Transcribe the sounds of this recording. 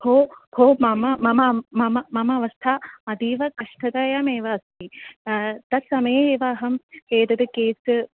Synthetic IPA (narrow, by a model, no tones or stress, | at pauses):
hoːhoːmɐmɐmɐmɐmɐmɐmɐmɐʋɐst̪ʰaɐd̪iːʋɐkɐʂʈɐd̪ɐjaːmeːʋɐːst̪ʰi | t̪ɐt̪sɐmɐjeeːʋaːɦɐmeːd̪ɐd̪ɨkeːs